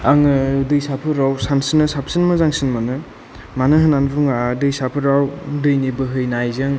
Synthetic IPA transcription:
aŋɯdɯjsapʰɯɾawsansinɯsap̚ʰsinmɯzaŋsinmɯnɯ | manɯɦɯnanbuŋadɯjsapʰɯɾawdɯjnibɯɦɯjnajzɯŋ

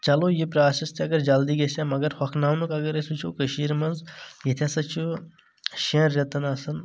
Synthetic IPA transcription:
t͡ʃɐloːjipɾaːsist̪ʰiɐɡɐɾd͡ʒɐld̪iɡesʲamɐɡɐɾhɐkʰnaːmnukɐɡɐɾesut͡ʃʰukəʃiːɾmɐnzjit̪ʰʲɐsɐt͡ʃʰu | ʃɐ̃ɾːɐt̪ɐnɐsɐn

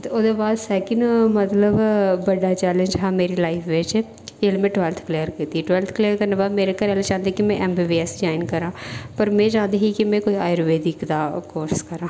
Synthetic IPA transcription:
t̪od̪ebaːd̪sɛːkɪnmɐt̪ləbbɐɖat͡ʃɛːlə̃nd͡ʒɦɛːmeːɾilaːɪpʰʋeːd͡ʒɛ | eːlmẽʈʋɛlt̪ʰkleːəɾkiːt̪iʈwɛlt̪ʰkleːjəɾkɐɾnabaːmeːɾekɐɾɛlet͡ʃãːnd̪ekimɛ̃ʔɛmbibiɛsd͡ʒaːɪnkɐɾãːpɐɾmẽd͡ʒãːnd̪eɦikimɛ̃koːiaːjəɾʋeːd̪ikd̪akoːʃɪ̥skɐɾãː

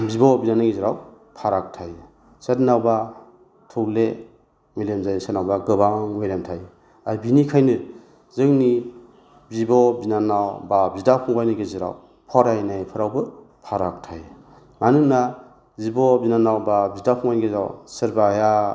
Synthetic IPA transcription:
bibɔbinanaɡiziɾaw | pʰaɾak̚tʰaj | setnawba | tʰuwle | milemzajsetnawbaɡɯbamɔjlamtʰaj | abinikʰajnɯ | zɯŋni | bibɔbinanawbabidapʰuŋbajniɡeziɾa̰w | pʰɔɾajnajpʰɯɾawbɯ | pʰaɾak̚tʰaj | manɯŋna | zibɔbinanawbabidapʰɔŋbajnɡezɾa̰wsɯɾbaja

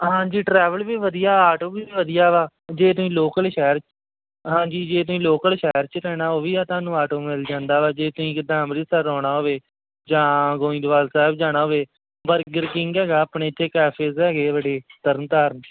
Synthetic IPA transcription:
ɦãːd͡ʒiːʈɾɛːʋəlbiːʋəd̪ijaːaːʈoːbiːʋəd̪ijaːʋaː | d͡ʒeːt̪ʊĩːloːkəlʃɛːəɾ | ɦãːɲd͡ʒiːd͡ʒeːt̪̬ʊĩːloːkəlʃɛːəɾt͡ʃɾɛːɽaːɦoːʋiːaːt̪ãːnũːaːʈoːmɪld͡ʒãːnd̪aːʋaːd͡ʒeːt̪ʊĩːkd̪ãːmɾiːsəɾɔːɽ̃aːɦoːʋeː | d͡ʒãːɡoːĩːd̪ʋaːlsɛːbd͡ʒaːɽ̃aːɦoːʋeː | bəɾkɡəɾkɪ̃ŋɡɛːɡaːəpɳeːt͡ʃɪkɛːpʰezɛːɡeːbəɖeːt̪əɾənt̪aːɾən

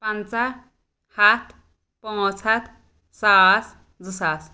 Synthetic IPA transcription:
pant͡sa | hat̪ʰ | pɔ̃t͡sʰat̪ʰ | sas | d͡zusas

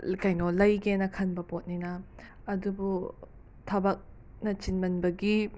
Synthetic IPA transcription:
kɐjnolɐjɡenɐkʰɐnbɐpot̚ninɐː | dubu | tʰɐbɐk̚ | nɐt͡ʃinmɐnbɐɡi

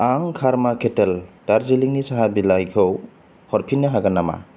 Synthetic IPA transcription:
aŋkʰaɾmakʰeteld̥aɾziliŋnisaɦabilajkʰɯw | hɔɾpʰinːaɦaɡanama̰

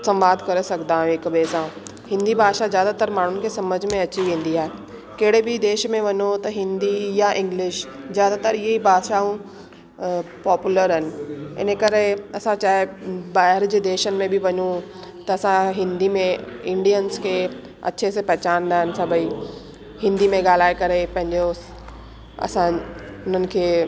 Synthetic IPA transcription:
sɐ̃mʋaːd̪kɐɾesɐɡd̪ãːɦũɪkbeːsã | hɪ̃nd̪ibʱaːʃazjaːd̪at̪əɾmaːɳ̤ʊnɪ̆kʰeːsɐməd͡ʑʱmẽɐt͡ɕiʋẽːn̆d̪iaːɦe | kɐɦɪɽ̤ebɪd̪eːʃmẽʋɐɲot̪ɐɦɪ̃nd̪ijaʔɪ̃ŋɡlɪʃzjaːd̪at̪əɾɪɦeibʱaːd̪ʃaũ | pɔːpjuləɾɦɐnɪ̆ɪ̰nəkɐɾeɐsãt͡ɕaːɦɪbaːɦɪɾd͡ʑeːd̪eːʃənɪ̆mẽbʱɪʋɐɲũt̪ɐɐsãɦɪ̃nd̪imẽɪ̃ɳɖiənskʰeː | ɐ̰t͡ɕʰesepɐɦt͡ɕaːnd̪aːɦɪnɪ̆sɐbʱəi | hɪ̃nd̪imẽɠaːl̤aːekɐɾepɐ̃ɦɪ̃ɲd͡ʑo | ɐ̰sãʊn̤ənɪ̆kʰeː

